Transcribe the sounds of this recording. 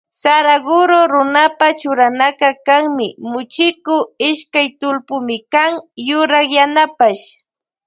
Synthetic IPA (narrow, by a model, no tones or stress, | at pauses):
saɾaɡʊɾoɾʊnapat͡ʃʊɾanakakaŋmɪmʊt͡ʃɪkʊɪʃkajt̪ʊlpʊmɪkaŋjʊɾakjanapaʃ